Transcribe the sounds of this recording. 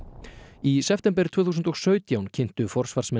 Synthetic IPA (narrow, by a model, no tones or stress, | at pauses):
isɛft̪ɛmp̬ɛɾt̪ʰvʏːθusʏnt̪ɔɣsœːɥt̪jawncʰɪn̥t̪ʏfɔr̥svar̥smɛ